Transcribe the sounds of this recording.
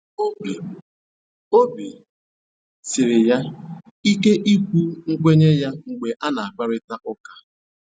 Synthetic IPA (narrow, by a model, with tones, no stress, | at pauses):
o˦bi˨ | o˦bi˨ | sɪ˨ɾɪ˨ja˦ | i˦ke˦ʔi˦kʷu˦ŋ̩˦k͡pʷe˦ɲe˦ja˦ŋ͡m̩˨ɡ͡be˨ʔa˦na˨a˨k͡pa˦ɾɪ˦ta˦ʔʊ˦ka˦